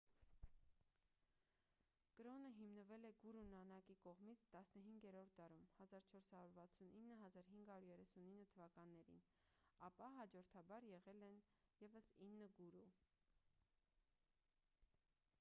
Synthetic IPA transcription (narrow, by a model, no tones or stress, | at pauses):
kəɾɔnəɦimnəvɛlɛɡuɾunɑnɑkikɔʁmit͡sʰt̪ɑsnəɦiŋɡɛɾɔɾt̪̚ʰd̪ɑɾumhɑzɑɾt͡ʃʰɔɾshɑɾuɾvɑt͡sʰuninːəɦɑzɑɾɦiŋɡhɑjuɾjɛrɛsuninːət̪ʰəvɑkɑnːɛɾḭn | ɑpɑɦɑd͡ʒɔɾt̪ʰɑbɑɾjɛʁɛlɛnjɛvəsinːəɡuɾu